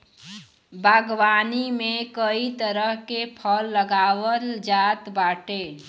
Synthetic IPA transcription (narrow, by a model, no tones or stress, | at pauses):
bʱəɡwaːnimẽkəit̪əɾəɦkepʰəlːəɡaːwəld͡ʒaːt̪baːʈe